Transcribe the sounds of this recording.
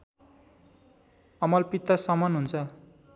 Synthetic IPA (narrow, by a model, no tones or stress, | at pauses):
ʌmʌlpit̪ːʌsʌmʌnɦunt͡sʰʌ